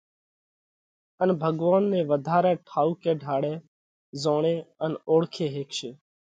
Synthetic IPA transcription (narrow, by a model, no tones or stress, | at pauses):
ənbʱəɠʋaːnːẽːʋəd̪ʱaːɾɛːʈʰaːuːkeːɖʱaːɽɛː | zoːɳeːənoːɽkʰeːɦeːkʃeː